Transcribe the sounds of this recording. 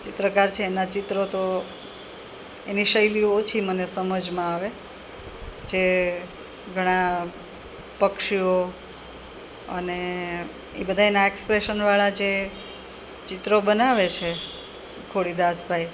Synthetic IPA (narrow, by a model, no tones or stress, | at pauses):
t͡ʃɪt̪ɾəkaɾt͡ʃʰeːnat͡ʃɪt̪ɾot̪o | eniʃəjlioot͡ʃʰimənesəməd͡ʒmãaʋe | d͡ʒe | ɡʱəɽ̃a | pəkʃio | ə̰ne | ebəd̪ʱaenaekspɾeʃənʋaɭad͡ʒe | t͡ʃɪt̪ɾobənaʋet͡ʃʰe | kʰoɽid̪asbʱai